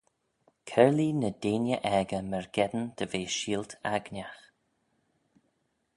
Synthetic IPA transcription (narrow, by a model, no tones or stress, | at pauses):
kʰɛɹlinəd̪eːnjəʔɛɡəmɛɹɡɛd̪ənd̪̥əveːʃiːlt̪ʰa̰ɡnʲax